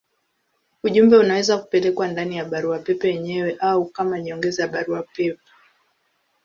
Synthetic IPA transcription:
uʄumbɛunawɛzaku̥pɛlɛkwandanijaɓaɾuapɛpɛjɛɲɛwɛʔaukamaɲiɔŋɡɛzɛjaɓaɾuapɛpɛ̥

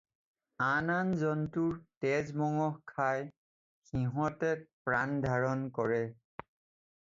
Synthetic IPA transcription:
ananzɔntuɹtɛzmɔŋɔhkʰaj | xiɦɔtɛt̚pɹandʱaɹɔnkɔɹɛ

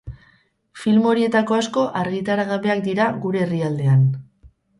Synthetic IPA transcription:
filmo̞ɾie̞t̪ako̞asko̞ʔaɾɣit̪aɾaɣaβe̞ak̚d̪iɾaɣuɾe̞ːriald̪e̞an

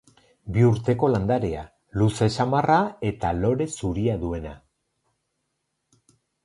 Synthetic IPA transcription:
biuɾt̪e̞ko̞land̪aɾea | luse̞samarae̞t̪alo̞ɾe̞suɾiaðue̞na

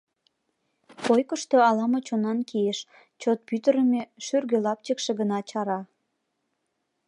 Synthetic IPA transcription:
pojkəʃt̪oɑlɑmot͡ɕonɑnkieʃ | t͡ɕot̪̚pyt̪əɾə̆meʃyrɡølɑp̚t͡ɕekʃeɡənɑt͡ɕɑɾɑ

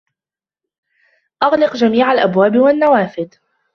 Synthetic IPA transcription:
ʔɑɣlɪqd͡ʒamiːʕalʔabwaːbwanːawaːfɪd̪

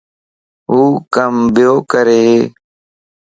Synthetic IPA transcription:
ɦuːkəmbjoːkəɾeːɦeː

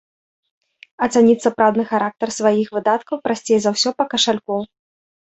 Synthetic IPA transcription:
ɐt̪sanʲit̪ʲsɐpɾawd̪nɨxaɾak̚t̪ɐrsvajixvɨd̪at̪kɐwpɾasʲt͡sʲejzawsʲɔpɐkɐʂalʲkɔw

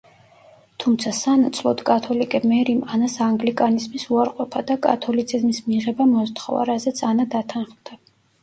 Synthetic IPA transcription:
t̪ʰumt̪sʰasanat̪sʰlˠɔ̰t̪kʼat̪ʰɔlikʼɛmɛɾimanasaŋɡlikʼanizmisuaɾqʼwɔpʰad̪akʼa̰t̪ʰɔlit̪sʰizmismiʁɛbamɔzt̪ʰχɔ̰va̰ɾazɛt̪sʰanad̪at̪ʰanχmd̪̥a

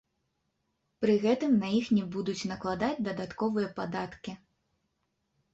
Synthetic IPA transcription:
pɾɨɣɛt̪ɨmnɐjixnʲibud̪ut͡sʲnɐklˠad̪ad͡zʲd̪ɐd̪at̪kɔvɨjɐpad̪at̪kʲi

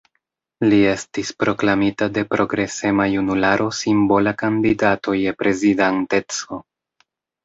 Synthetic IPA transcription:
lie̞stispɾo̞klamitade̞pɾo̞ɡɾe̞se̞majunulaɾʔo̞simbo̞lakandidatʰo̞je̞pɾe̞zidante̞t͡so̞

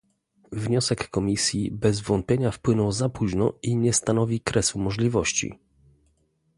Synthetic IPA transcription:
vɲɔsɛkːɔmʲisʲjibɛzvɔnt̪̚pʲjeɲafpwɘnɔwzapuʑnɔ̰iɲɛst̪anɔvʲikɾɛsumɔʐlʲivɔɕt͡ɕḭ

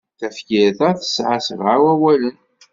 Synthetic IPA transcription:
θæfkɪɾθæθə̥sʕasəvawæwælən

